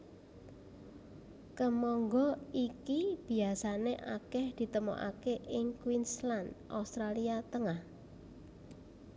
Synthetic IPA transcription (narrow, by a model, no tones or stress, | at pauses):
kəmɔŋɡɔikib̥i̤asaneʔa̰kɛhd̪̥i̤t̪əmo̰ʔa̰keʔɪŋkwinsland̪ʔa̰ust̪ɾaliat̪əŋah